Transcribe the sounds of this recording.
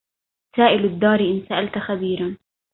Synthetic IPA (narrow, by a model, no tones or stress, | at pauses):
saːʔɪlad̪ːɑːɾiʔɪnsaʔalt̪xabiːɾan